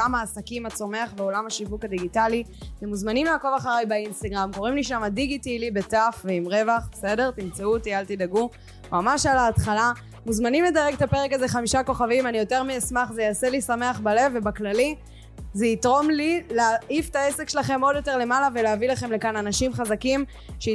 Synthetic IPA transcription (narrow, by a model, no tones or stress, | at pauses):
amaːsakimat͡so̞me̞aχveolamhaʃivukad̪iɡitalitemuzmanimlaako̞vaχaʁajbainst̪aɡʁamko̞ʁimliʃamadiɡitilibe̞tafveimʁe̞vaχbese̞de̞ʁtimt͡sautialt̪idaɡu | mamaʃalaːtχala | muzmanimle̞daʁeɡt̪apeʁekaze̞χamiʃako̞χavimanijo̞te̞ʁmiasmaχzejaːselisame̞aχbale̞vːebaklali | zeitʁo̞mlileaʔift̪aese̞kʃelaχe̞mo̞djo̞te̞ʁle̞malaveleavilaχe̞mle̞kananaʃimχazakim | ʃe